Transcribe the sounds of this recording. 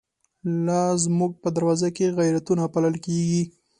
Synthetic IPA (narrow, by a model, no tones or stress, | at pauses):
lazmuɡ̚pəd̪aɾwɑzakeɣajɾat̪unapaləlkeɡi